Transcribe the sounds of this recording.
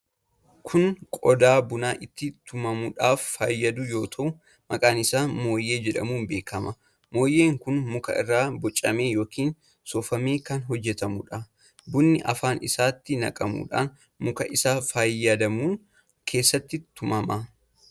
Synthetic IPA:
kʰʊnkʼɔd̪aːbʊnaːʔɪt̪ːɪt̪ʰʊmɐmʊᶑaːfːaːjːɐd̪ʊjo̞ːt̪ʰɐʔʊ | mɐkʼaːnɪsaːmo̞ːjːe̞ːd͡ʒɛᶑɐ̰muːnbe̞ːkʰɐmɐ | mo̞ːjːe̞ːŋkʊnmʊkɐ̰ɪ̰rːaːbɔt͡ʃʼːɐme̞ːjo̞ːkiːn | sɔfɐmeːkɐnɦɔd͡ʒːɛt̪ɐmʊᶑɐ | bʊnːɪʔɐ̰faːnɪsaːt̪ːɪnɐ̰kʼɐmṵːᶑaːn | mʊkɐʔɪsaːfaːjːɐd̪ɐmuːŋ | kʰe̞ːsːɐt̪ːɪt̪ʊmɐmɐ

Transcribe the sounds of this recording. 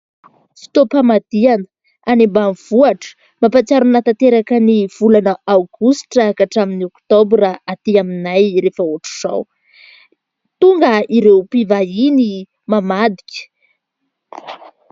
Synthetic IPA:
fi̥t̪opamad̪ianə̥ | animbamiv̥uaʈ͡ʂə̥ | mapat͡saɾunat̪at̪eɾakəniv̥ulanəawɡusʈ͡ʂakaʈ͡ʂaminiokt̪obɾraat̪iaminajɾefəoʈ͡ʂu̥z̥a̰w | t̪uŋɡəiɾewpivaini | mamad̪i̥kʲə̥

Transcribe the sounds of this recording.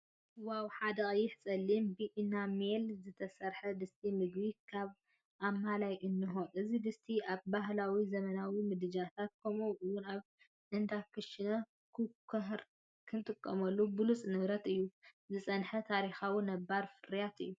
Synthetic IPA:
wawħad̪ɐkʼjɪħt͡sʼɐlːimbiʔinamelzɨt̪ʰɐsɐɾħɐd̪ɨst̪ʰimɨɡbikʰaβ | ʔamːalajʔɨnːɨɦoʔɨzid̪ɨst̪ʰiaβbahlawizɐmɐnawimɨd̪ɨd͡ʒat̪ʰat̪̚kʰomowʔɨwːʊnaβ | ʔɨnd̪akʰɨʃɪnɐ | kʰɨkʰɐɦɾ | kʰɨnt̪ʼɨkʼːɐmɐlːubɨlut͡sʼnɨβɾɐt̪ɨjːuzɨsʼɐnħɐt̪ʰaɾixawunɐbːaɾfɨɾjat̪ɨ̰jːu

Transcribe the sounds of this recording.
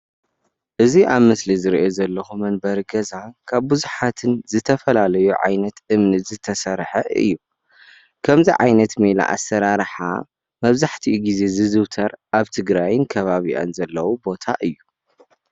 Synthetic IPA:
ʔɨziʔaβmɨslizɨɾiʔozɐlːɐxumɐnbɐɾɡɐzakʰaβbɨzuħat̪ʰɨnzɨt̪ʰɐfɐlalɐjuʕa̰jnɐt̪ʔɨmnɨzɨt̪ʰɐsɐɾħɐʔɨ̰jːu | kʰɐmziʕa̰jnɐt̪mila̰ʔa̰sːɐɾaɾħa̰ | mɐβzaħt̪ʰiɡize̞zɨzɨwt̪ʰɐɾʔaβt̪ʰɨɡɾajnkʰɐβaβiʔa̰nzɐlːɐwubo̞t̪ʰa̰ʔɨjːu

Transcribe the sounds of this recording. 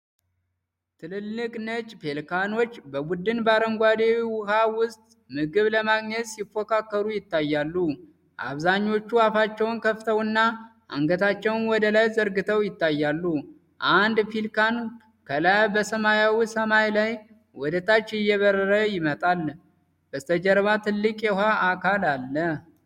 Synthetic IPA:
t̪ʰɨlɨlːɨkʼnət͡ʃʼpʰelkʰano̞t͡ʃːbəbud̪ːɨnbaɾəmɡʷad̪ewiwʊhawʊst̪ʼmɨɡɨβləmaɡɲɛt̪ʼsɪfokʰakːəɾujɪt̪ːajːalːu | ʔa̰βzaɲːo̞t͡ʃːuafat͡ʃːɛwnkʰəft̪ʰəwɨnːaʔa̰ŋɡət̪ʰat͡ʃːɛwnwɔd̪əlajzəɾɡɨt̪ʰəwjɪt̪ːajːalːu | ʔand̪filkan | kʰəlabəsəmajawisəmajlaj | wɔd̪ət̪ʰat͡ʃːɪjːɛβəɾːəɾəjɪmət̪ʼal | bəst̪ʰəd͡ʒəɾβat̪ʰɨlːɨkʼjɛhwaʔakʰalalːə

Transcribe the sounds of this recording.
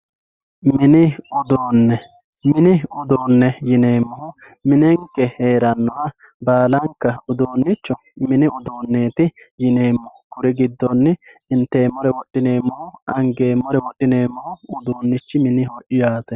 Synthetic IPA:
mɪnɪʊd̪oːnːɛ | mɪnɪʊd̪oːnːɛjɪne̞ːmːɔhʊ | mɪnɛŋkːɛheːɾɐnːɔhɐ | baːlɐŋkːɐʊd̪oːnːɪt͡ʃːɔ | mɪnɪʔʊd̪oːnːe̞ːt̪ɪ | jɪne̞ːmːɔhʊkʊɾɪɡɪd̪ːɔnːɪ | ɪnt̪ːe̞ːmːɔɾɛwɔɗɪne̞ːmːɔhʊɐŋɡe̞ːmːɔɾɛwɔɗːɪne̞ːmːɔhʊʊd̪oːnːɪt͡ʃːɪmɪnɪhɔʔɪjaːt̪ɛ

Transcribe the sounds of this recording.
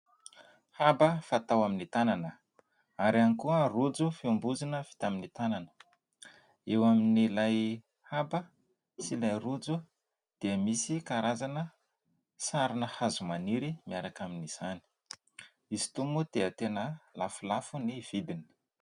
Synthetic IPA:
habəfat̪awaminit̪ananə | aɾianikuərud͡zufiumbuzinəv̥i̥t̪aminit̪ananə̥ | ewaminilaj | habə | silajrud͡zu | d̪̥eəmisikaɾazanə | saɾinəhazumaniɾimiaɾakaminiz̥ani̥ | izi̥t̪umud̪̥eət̪enəlafulafuniv̥id̪ini̥

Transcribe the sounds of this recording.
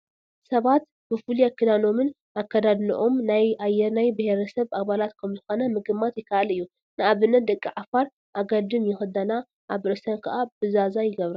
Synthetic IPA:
sɐβat̪ | b̥ɨfuliakʰːɨd̪ano̞mɨn | ʔakʰːɐd̪ad̪nɨ̰ʔomnajajːɛɾnajbɨheɾɐsɐβʔaβalat̪kʰɐmzɨxo̞nɐmɨɡɨmat̪jɪkʰːaʔalɨjːu | nɨaβɨnːɐt̪̚d̪ɐkʼːiʕafaɾ | ʔaɡɐd̪ɨmjɪxɨd̪ɐna | ʔaβɨɾɨsɐnkʰɐʔabɨzazajɪɡɐβɾa

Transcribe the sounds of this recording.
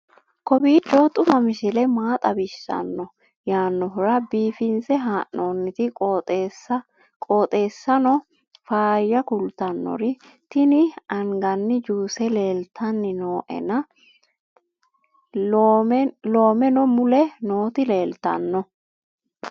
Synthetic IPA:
kɔbiːt͡ʃːɔt̪ʼʊmɐmɪʃɪlɛmaːt̪ʼɐbɪʃːɐ̰nːɔ | jaːnːɔɦʊɾɐbiːfɪnsɛɦaːʔnoːnːɪt̪ɪsɐ | kʼoːt̪ʼe̞ːsːɐnɔ | faːjːɐkʊlt̪ɐnːɔ̰ɾɪ | t̪ɪnɪɐŋɡɐnːɪd͡ʒuːsɛle̞ːlt̪ʰːɐnːɪnoːʔɛ̰nɐ | lo̞ːmɛnɔmʊlɛno̞ːt̪ɪle̞ːlt̪ɐ̰nːɔ

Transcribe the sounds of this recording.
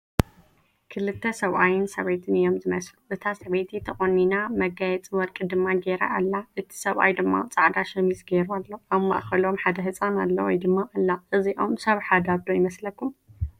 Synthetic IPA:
kʰɨlɨt̪ʰːɐsɐβʔajɪnsɐβejt̪ʰɨnɨjo̞mzɨmɐsluʔɨt̪ʰasɐβet̪ʰit̪ʰɐχʼonːinamɐɡajɛt͡sʼɨwɔɾkʼɨd̪ɨmːaɡeɾa̰ʔalːaʔɨt̪ʰi̥sɐβʔa̰jd̪ɨmːa̰t͡sʼaʕd̪aʃɐmisɡeɾualːo̞ʔaβma̰ʔxɐlo̞mħad̪ɐɦɨt͡sʼanalːɐwɔ̰jd̪ɨmːaʔalːaʔɨziʔo̞msɐβħad̪abd̪ojɪmɐslɐkːum

